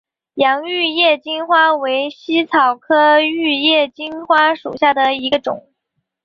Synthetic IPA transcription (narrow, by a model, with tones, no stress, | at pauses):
jɑ˧˥ŋy˥˧jɛ˥˩t͡ɕi˥nxwa˥we˧˥ɪɕi˥t͡sʰɑ˨˩ʊkʰɤ˥y˥˧jɛ˥˩t͡ɕi˥nxwa˥ʂṵ˨˩ɕja˥˩d̪ə˩i˧˥ɡə˧ʈ͡ʂʊ̰˨˩˦ŋ